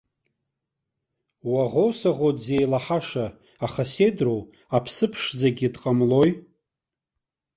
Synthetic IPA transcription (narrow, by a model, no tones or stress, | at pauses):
waʁowsaʁodze̞jlaħaʂaː | χase̞drow | apʰsɨpʰʂd͡zaɡʲidqʼamlo̞j